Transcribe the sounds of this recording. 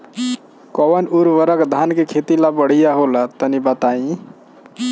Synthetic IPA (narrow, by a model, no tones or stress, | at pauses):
kɔwənuɾwəɾəkd̪ʱankekʰet̪ilabəɽ̤ijaɦolət̪ənibət̪aĩ